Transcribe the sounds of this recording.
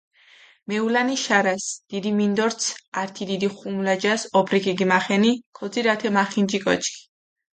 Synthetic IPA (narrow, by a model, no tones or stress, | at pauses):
mɛulaniʃaɾasd̪̥id̪imind̪ɔɾt̪sʰaɾt̪ʰid̪id̪iχumlad͡ʒasɔbʰɾikʼiɡimaχɛnikʰɔd̪ziɾat̪ʰɛmaχind͡ʒikʼɔ̰t͡ʃʰʼkʰʼi̥